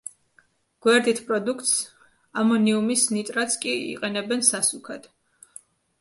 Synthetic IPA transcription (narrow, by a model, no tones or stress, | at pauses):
ɡ̥wɛɾd̪it̪ʰpʼɾɔd̪ukʰt̪s | amɔniumisnit̪ʼɾat̪sʰkʼiḭqʼɛnɛbɛnsasukʰad̪̥